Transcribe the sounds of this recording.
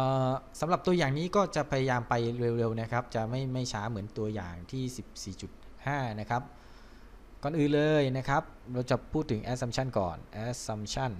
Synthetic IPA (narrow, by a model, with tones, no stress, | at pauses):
ʔːsa˩˦mɾa˨˩p̚t̪u˧ɐjaː˨˩ŋniː˦˥kɔː˥˩t͡ɕa˨˩pʰa˧ja˧jaː˧mpa˧jɾe˧wɾe˧wna˦˥kʰa˦˥p̚t͡ɕa˨˩ma˥˩jma˥˩jt͡ɕʰaː˦˥mɯ˩˦ənt̪u˧ɐja̰ː˨˩ŋt̪ʰiː˥˩si˨˩p̚siː˨˩t͡ɕu˨˩t̪̚ | haː˥˩na˦˥kʰa˦˥p̚ | kɔː˨˩nʔɯː˨˩nlɤː˧jna˦˥kʰa˦˥p̚ɾa˧wt͡ɕa˨˩pʰuː˥˩t̪ʰːɯ˩˦ŋʔɛː˦˥sa˧mt͡ɕʰa˥˩nkɔ̰ː˨˩nʔɛː˦˥sa˧mt͡ɕʰa˥˩n